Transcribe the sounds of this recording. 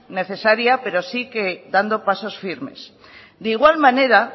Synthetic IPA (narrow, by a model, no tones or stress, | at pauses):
ne̞θe̞saɾjape̞ɾosiked̪and̪o̞paso̞sfiɾme̞̰s | d̪iɣ̞walmãne̞ɾa